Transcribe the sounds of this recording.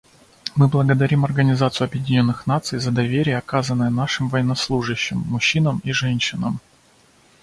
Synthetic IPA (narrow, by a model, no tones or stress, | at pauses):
mɨblˠəɡəd̪ɐɾʲimɐrɡənʲɪzat̪sɨjʊɐbjɪdʲɪnʲo̞nːɨxnat̪sɨjzəd̪ɐvʲeɾʲɪjəɐkazənːəjənaʂɨmvɐjɪnːɐslˠuʐɨɕːɪmːʊɕːinəmiʐɛnʲɕɪnəm